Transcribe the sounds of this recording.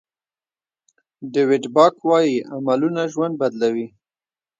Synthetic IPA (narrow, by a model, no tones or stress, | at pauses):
dewɪɖbɑkwɑjiamalunaʒwand̪̚bad̪lawi